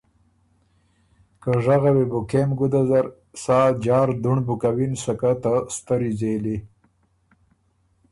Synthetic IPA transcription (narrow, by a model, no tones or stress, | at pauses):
kəʐaɣawebukemɡud̪azaɾ | sɑːd͡ʒɑːɾd̪uɳbukawinsakat̪ast̪əɾizeli